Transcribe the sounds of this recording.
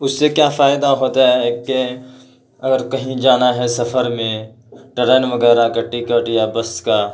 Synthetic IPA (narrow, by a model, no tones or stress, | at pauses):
ʊsːekjaːfaːɪd̪aɦoːt̪aɦɛke | ɐɡəɾkɐɦĩd͡ʒaːnaɦɛsɐfʰəɾmẽ | ʈɐɾeːnʋəɡɛːɾakɐʈːikəʈjabəskaː